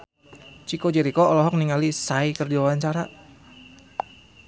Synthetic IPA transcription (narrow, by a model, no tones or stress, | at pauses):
t͡ʃikod͡ʒɛɾikɔɔlɔɦɔk̚niŋalisaikərdiwawaɲt͡ʃaɾa